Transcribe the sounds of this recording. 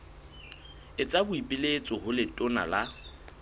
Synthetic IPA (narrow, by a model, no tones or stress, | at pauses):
ɪt͡sʼabʊipʼɪlet͡sʼɔhʊlɪtʼʊna̰la